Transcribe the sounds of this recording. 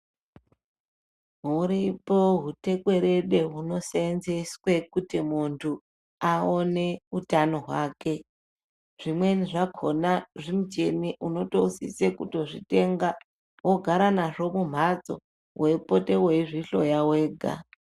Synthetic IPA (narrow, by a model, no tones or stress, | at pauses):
ɦuɾipo̞ɦute̞kwe̞ɾeɗe̞ɦuno̞senzeswe̞kutimuntʰu | aone̞utano̞ɦwaːke̞ | ʐ̥imwe̞niʐakʰo̞naʐimud͡ʒe̞niʔuno̞tousḭsekuto̞ʐite̞ŋɡa | woɡʱaɾanaʐo̞mum̤ad͡zo̞̰ | we̞po̞te̞weʐiɬo̞jawe̞ːɡʱa̰